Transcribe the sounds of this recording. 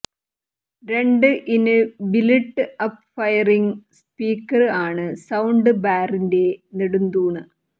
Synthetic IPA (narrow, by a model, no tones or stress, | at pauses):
ɾe̞ɳɖɨʔinɨbileʈːɨɐpfɐjɐriŋspiːkːɐrɨaːɳɨsɐwɳɖɨbaːrinde̞niɽund̪uːɳɨ